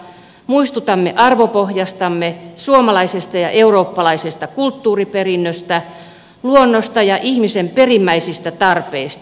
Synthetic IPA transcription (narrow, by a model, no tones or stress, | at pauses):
muist̪ut̪ɑmːeʔɑrʋopohjɑst̪ɑmːesuomɑlɑisest̪ɑjɑʔeuroːpːɑlɑisest̪ɑkult̪ːuːriperinːøst̪æ | luonːost̪ɑjɑʔihmisemperimːæisist̪æt̪ɑrpeist̪